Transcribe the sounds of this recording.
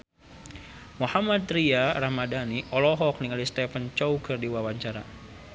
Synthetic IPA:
muhamad̪riarahmadaniʔɔlɔɦɔk̚niŋalist̪ɛfənt͡ʃɔukərdiwawaɲt͡ʃaɾa̰

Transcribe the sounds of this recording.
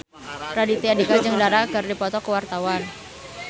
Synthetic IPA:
radit̪iadikad͡ʒəŋdaɾakərdipɔt̪ɔkəwart̪awan

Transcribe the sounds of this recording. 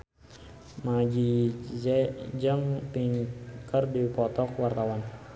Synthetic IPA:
mad͡ʒizɛd͡ʒəŋpiŋkərdipɔt̪ɔkwart̪awan

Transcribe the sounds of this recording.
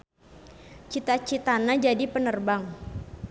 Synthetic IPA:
t͡ʃit̪at͡ʃit̪anad͡ʒadipənərbaŋ

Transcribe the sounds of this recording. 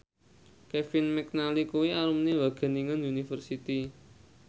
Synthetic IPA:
kɛfɪnmɛk̚nalikuwiaɾumniwaɡ̥a̤niŋanjunifərsit̪i

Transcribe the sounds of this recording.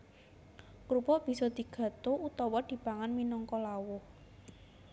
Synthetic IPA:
kɾupɔb̥i̤sɔd̪̥i̤ɡ̥ä̤t̪out̪ɔwɔd̪̥i̤paŋanminɔŋkɔlawʊh

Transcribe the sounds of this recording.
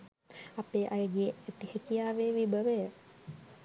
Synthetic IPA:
apeʔajəɡeet̪ihekiaʋeʋibəʋe

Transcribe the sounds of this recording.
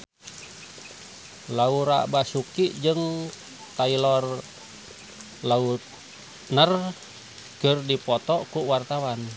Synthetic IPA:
lauɾa̰basukid͡ʒɨŋ | t̪ailɔr | laut̪̚ | nər | kərdipɔt̪ɔkuwart̪awan

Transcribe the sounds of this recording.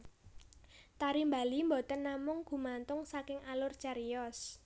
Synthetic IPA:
t̪aɾimba̤limbɔt̪ənːamʊŋɡ̥ṳmant̪ʊŋsakɪŋʔalʊrt͡ʃaɾijɔs

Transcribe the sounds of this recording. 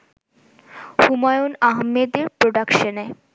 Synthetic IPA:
humajonaɦmed̪eɾpɾoɖakʃone

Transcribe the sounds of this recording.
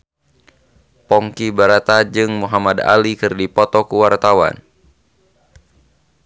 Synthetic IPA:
pɔŋkibaɾat̪ad͡ʒɨŋmuɦamada̰likɨrdipɔt̪ɔkuwart̪awa̰n

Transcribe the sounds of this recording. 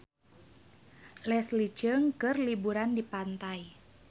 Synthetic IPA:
lɛslid͡ʒəŋkɨrlibuɾandipant̪aj

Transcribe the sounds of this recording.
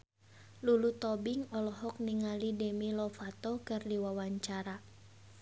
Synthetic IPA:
lulut̪ɔbiŋɔlɔɦɔk̚niŋalidɛmilɔfat̪ɔkɨrdiwawaɲt͡ʃaɾa

